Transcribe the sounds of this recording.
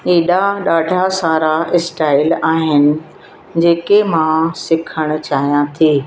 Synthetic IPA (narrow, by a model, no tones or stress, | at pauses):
iːɗaɗaːɖʱasaːɾaɪsʈaːɪlaːɦɪnɪ̆ | d͡ʑeːkemãsɪkʰəɽ̃ʊ̆t͡ɕaːɦijãt̪ʰiː